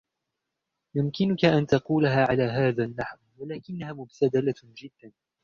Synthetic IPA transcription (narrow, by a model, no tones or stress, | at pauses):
jʊmkɪnʊkaʔant̪ɑquːlaɦaːʕalaːɦaːðaːnːaħwwalaːkɪnːahaːmʊbt̪ad̪alad͡ʒɪd̪ːan